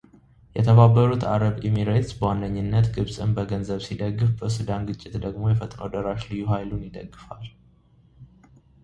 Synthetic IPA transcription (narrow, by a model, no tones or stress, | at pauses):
jɛt̪ʰəβabːəɾut̪ʰa̰ɾəbimiɾet̪sbəwand̪əɲːɨnːət̪ɡɨβsʼɨnbəɡənzəβsid̪əɡːɨfbəsɨd̪anɡɨt͡ʃʼːɪt̪d̪əɡmo̞jɛfət̪ʼnəwd̪əɾaʃlɨjːuhajlunjɪd̪ə̰ɡːɨfal